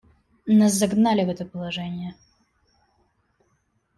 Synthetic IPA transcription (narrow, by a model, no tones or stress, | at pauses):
nas̬zɐɡnalʲɪvɛt̪əpəlˠɐʐɛnʲɪjə